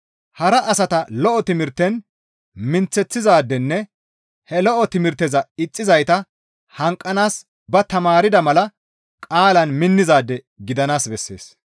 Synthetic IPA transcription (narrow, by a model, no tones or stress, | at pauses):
hɐɾɐʔːsɐt̪ɐlɔʔɔt̪ɪmɪɾt̪ːɛn | mɪnt͡sːɛt͡sːɪzaːd̪ːɛnːɛ | hɛlɔʔɔt̪ɪmɪɾt̪ːɛzɐɪt͡sʼːɪzɐjt̪ɐ | hɐŋkʼːɐnaːs | bɐt̪ɐmaːɾɪd̪ɐmɐlɐ | kʼaːlɐnmɪnːɪzaːd̪ːɛ | ɡɪd̪ɐnaːsbɛsːe̞̰ːs